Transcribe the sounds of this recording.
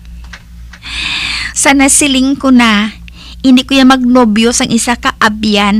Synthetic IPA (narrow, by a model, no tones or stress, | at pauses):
sɐnɐsɪlɪŋkʊna | ʔɪnd̪ɪkʊjamɐɡ̚nobjosɐŋʔɪsakɐʔabjan